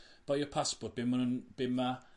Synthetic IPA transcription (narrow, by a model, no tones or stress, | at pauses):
b̥ajɔpʰaspɔrt̚b̥ɪmənənb̥ɪmːa